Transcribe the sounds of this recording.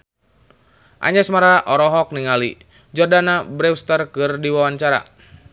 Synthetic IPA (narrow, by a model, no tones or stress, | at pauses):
ʔa̰ɲɛsmaɾaʔɔɾɔɦɔk̚niŋali | d͡ʒɔrdanabɾɛwst̪ərkɨrdiwawaɲt͡ʃaɾa̰